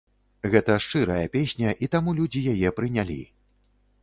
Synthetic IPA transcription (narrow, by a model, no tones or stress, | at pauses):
ɣɛt̪ɐʂt͡ʂɨɾɐjɐpʲesʲnʲɐʔit̪amulʲud͡zʲijajɛpɾɨnʲalʲḭ